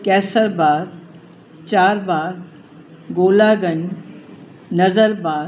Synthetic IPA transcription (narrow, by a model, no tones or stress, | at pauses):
kɛːsəɾbaː | t͡ɕaːɾbaːɡ | ɡoːlaːɡəɲ | nɐzəɾbaː